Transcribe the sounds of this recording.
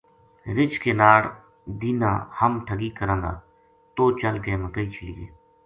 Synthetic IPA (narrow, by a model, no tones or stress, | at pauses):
ɾɪt͡ʃkeːnaːɽ | d̪iːnã̰ːhəmʈʰəɡiːkəɾãːnd̪a̰ː | t̪oːt͡ʃəlɡeːməkəiːt͡ʃʰəlɪjḛː